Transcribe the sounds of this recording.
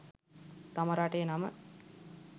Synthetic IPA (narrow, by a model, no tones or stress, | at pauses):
t̪aməɾaʈəjənamə